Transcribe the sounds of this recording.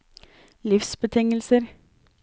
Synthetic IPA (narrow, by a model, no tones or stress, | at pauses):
lɪfsbət̪ʰɪŋəlsəɾ